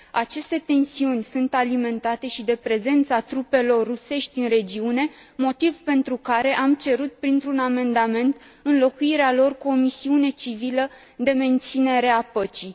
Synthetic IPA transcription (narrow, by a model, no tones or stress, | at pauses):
at͡ʃe̞st̪e̞t̪e̞nsiunʲsunt̪alime̞nt̪at̪e̞ʃid̪e̞pɾe̞ze̞nt̪sat̪ɾupe̞lo̞rːuse̞ʃt̪ʲɨnre̞d͡ʒiune̞ | mo̞t̪ivpe̞nt̪ɾukaɾe̞ʔamt͡ʃe̞ɾut̪̚pɾint̪ɾuname̞nd̪ame̞nt̪ | ɨnlo̞kuiɾealo̞rkuo̞misiune̞t͡ʃivilə | d̪e̞me̞nt̪sine̞ɾe̞apət͡ʃi